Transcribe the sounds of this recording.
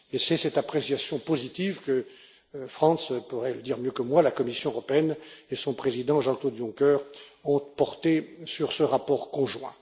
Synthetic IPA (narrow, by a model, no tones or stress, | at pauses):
esɛsɛt̪apχesjasjɔ̃pozit̪ivkə | fχɑ̃spuʁɛləd̪iʁmjøkəmwalakɔmisjɔ̃øʁɔpeɛnesɔ̃pχezid̪ɑ̃ʒɑ̃klod̪jɔ̃kœʁɔ̃t̪pɔʁt̪esyʁsəʁapɔʁkɔ̃ʒwɛ̃